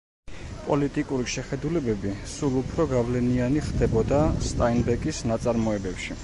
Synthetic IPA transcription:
pʼɔlit̪ʼikʼuɾiʃɛχɛd̪ulɛbɛbisulˠupʰɾɔɡavlɛnianiχd̪ɛbɔd̪ast̪ʼainbɛkʼisnat̪sʼaɾmɔɛbɛpʃi

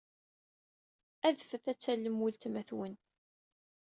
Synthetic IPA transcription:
æðfəθæt͡sːælːəmwilt̪mæθwən

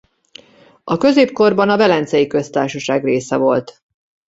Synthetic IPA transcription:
ɒkø̞zeːpko̞rbɒnɒvɛlɛnt̪sɛjikø̞st̪aːrʃɒʃaːɡreːsɛvo̞lt̪

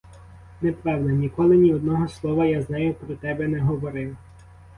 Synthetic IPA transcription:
nɛpʋɛwd̪ɐnʲikɔlˠɪnʲiɔd̪̚nɔɦɔslˠɔʋɐjaznajʊpɾɔt̪ɛbɛnɛɦɔʋɔɾɪw

